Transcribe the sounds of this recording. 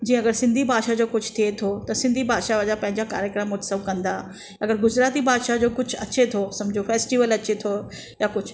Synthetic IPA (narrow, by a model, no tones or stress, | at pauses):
d͡ʑĩːə̃ɐɡəɾsɪ̃nd̪ʱibʱaːd̪ʃad͡ʑoːkʊd͡ʑʰʱt̪ʰiet̪ʰot̪ɐsɪ̃nd̪ʱibʱaːd̪ʃad͡ʑapɐ̃ɦɪɲd͡ʑaka̰ːɾjəkɾəmot̪sɐbkɐ̃nd̪a | ɐɡəɾɡʊzɾaːt̪ibʱaːd̪ʃad͡ʑoːkʊd͡ʑʱʊɐt͡ɕet̪ʰosɐ̃md͡ʑʱofeːsʈiʋəlɐt͡ɕet̪ʰo | jakʊd͡ʑʱʊ